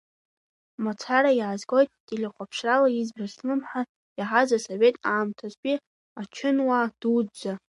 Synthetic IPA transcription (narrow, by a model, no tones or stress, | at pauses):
mot͡sʰaɾajʕazɡʼo̞jtʼdʼilʲaqʷapʰʂralaizbrasnɨmħa | iħazasove̞tʼaːmtʰazpʲʼi | at͡ʃʰɪnwad̥udd͡za